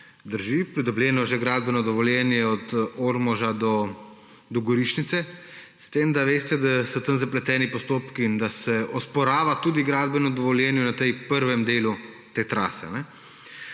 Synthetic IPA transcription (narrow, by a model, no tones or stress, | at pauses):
d̪əɾʒipɾid̪ɔbljɛːnɔʒɛɡɾaːd̪̚bɛnɔd̪ɔʋɔljɛːnjɛɔt̪oːɾmɔʒad̪ɔ | d̪ɔɡɔɾiʃnit̪sɛ | st̪eːmd̪aʋeːst̪ɛd̪asɔt̪ənzaplɛt̪ɛːnipɔst̪oːpkiːnd̪asɛɔspɔɾaːʋat̪uːd̪iɡɾaːd̪bɛnɔd̪ɔʋɔljɛnjɛnat̪ɛjpəɾʋɛmd̪eːlut̪eːt̪ɾa̰ːsɛ̰anɛ